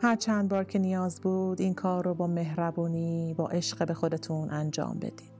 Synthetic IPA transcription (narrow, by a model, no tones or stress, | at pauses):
hæɾt͡ʃʰænd̪̚bɒːɾcʰe̞nijɒːzbuːd̪iːnkʰɒːɾobɒːme̞ɦɾæbuːniːbɒ̰ːʔe̞ʃɢebe̞xo̞d̪e̞t̪ʰuːnʔænd͡ʒɒ̰ːmbḛd̪̥iːd̪̥